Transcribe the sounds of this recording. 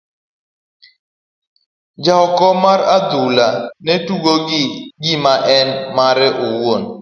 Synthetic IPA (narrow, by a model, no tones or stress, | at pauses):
d͡ʒaɔkɔmaɾad̪ulanɛtuɡoɡɪɡimaʔɛnmaɾɛʔowon